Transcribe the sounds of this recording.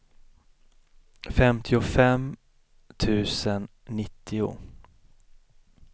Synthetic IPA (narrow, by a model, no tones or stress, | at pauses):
fɛmt̪ʰɪʊfɛm | t̪ʰʉ̟ːsənːɪt̪ʰːɪʊ̰